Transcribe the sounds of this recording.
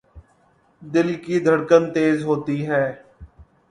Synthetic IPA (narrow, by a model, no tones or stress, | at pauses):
d̪ɪlkiːd̪ʱəɽkənt̪eːzɦoːt̪iːɦɛː